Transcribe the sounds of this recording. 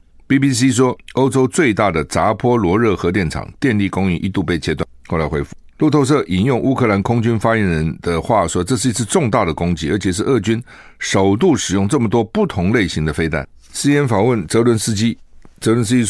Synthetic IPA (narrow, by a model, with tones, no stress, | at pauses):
pi˥pi˥s̬i˥ʂwɔ˥o˥ʊʈ͡ʂo˥ʊt͡swe˥˧ɪt̪a˥˩d̪ə˩t͡sa˧˥pʰwɔ˥lwɔ˧˥ɻɤ˥˩xɤ˧˥t̪jɛ˥˩nʈ͡ʂʰɑ̰˨˩ŋt̪jɛ˥˧nli˥˩kʊ˥ŋi˥˩ʔi˥t̪u˥˧pe˥˩ɪt͡ɕʰjɛ˥t̪wa̰˥˩nxo˥˩ʊla˧˥ɪxwe˥ɪfu˥˩ | lu˥˧t̪ʰo˥˧ʊʂ̬ɤ˥˩ʔi˨˩njʊ˥˧ŋʔu˥kʰɤ˥˩la˧˥nkʰʊ˥ŋt͡ɕy˥nfa˥jɛ˧˥nɻə˧˥nd̪̥ə˧xwa˥˨ʂwɔ˥ʈ͡ʂɤ˥˧ʂ̬̩˥˩i˧˥t͡s̩ʰ˥˧ʈ͡ʂʊ˥˧ŋt̪a˥˩d̪ə˩kʊ˥ŋt͡ɕḭ˧˥ə˞˧˥t͡ɕʰɛ˨˩ʂ̬ɻ̩˥˧ʔɤ˥˩t͡ɕy˥nʂo˨˩ʊt̪u˥˩ʂɻ̩˨˩jʊ˥˧ŋʈ͡ʂɤ˥˩mə˩t̪wɔ˥pu˥˩t̪ʰʊ˧˥ŋle˥˩ɪɕi˧˥ŋd̪ə˧fe˥ɪt̪a̰˥˩˦n | sɹ̩˥jɛ˧˥nfɑ˨˩ŋwə˥˩nt͡sɤ˧˥lwə˧˥ns̩˥t͡ɕi˥t͡sɤ˧˥lwə˧˥ns̬ɨ˥i˥